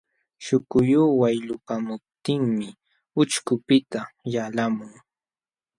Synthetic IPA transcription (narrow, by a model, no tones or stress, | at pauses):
ʃʊkʊjuːwajʎʊkamʊp̚t̪ɪŋmɪ | ʊt͡ʃkʊpɪt̪ajalamʊŋ